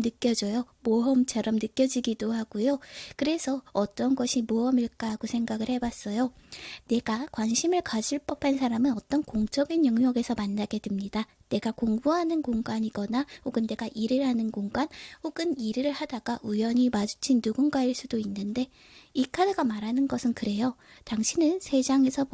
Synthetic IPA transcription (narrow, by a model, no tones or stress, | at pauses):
ɯk͈jʌd͡ʑʌjomoɦʌmt͡ɕʰaɾʌmnɯk͈jʌd͡ʑiɡidohaɡujokɯɾe̞sʰʌʌt͈ʌnɡʌɕʰimoɦʌmiɭk͈aɡosʰe̞ŋɡaɡɯɭhe̞bas͈ʌjone̞ɡakwanɕʰimɯɭkad͡ʑʰiɭp͈ʌpʰansʰaɾamɯnʌt͈ʌnkoŋt͡ɕ͈ʌɡinjʌŋɲʌɡe̞sʰʌmanːaɡe̞dɯmɲida | ne̞ɡakoŋbuɦanɯnkoŋɡaɲiɡʌnahoɡɯnːe̞ɡaʔiɾɯɭhanɯnkoŋɡanhoɡɯniɾɯɯɭhadaɡ̥aʔujʌɲimad͡ʑut͡ɕʰinːuɡunɡaiɭs͈udoinːɯnde̞ | ikʰadɯɡamaɾanɯnɡʌsʰɯnkɯɾe̞jotaŋɕʰinɯnsʰe̞d͡ʑaŋe̞sʰʌ